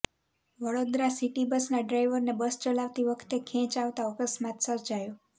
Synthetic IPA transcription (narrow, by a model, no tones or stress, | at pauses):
ʋəɽod̪ɾasiʈibəsnaɖɾajʋəɾnebəst͡ʃəlaʋt̪iʋəkʰt̪ekʰɛ̃t͡ʃaʋt̪aəkəsmat̪səɾd͡ʒajo